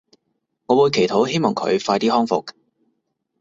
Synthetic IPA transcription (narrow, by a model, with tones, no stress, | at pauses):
ŋɔː˨˧wuː˨˧jkʰe˨˩jt̪ʰo˨˥wɦe˥jmɔː˨˩ŋkʰɵ̰˨˧ɥfaː˧jt̪iː˥hɔː˥ŋfʊ̰˨k̚